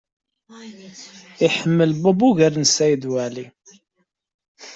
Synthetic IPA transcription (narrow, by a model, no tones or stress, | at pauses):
iħəmːəlbɑbuʝəɾnsæjd̪wæli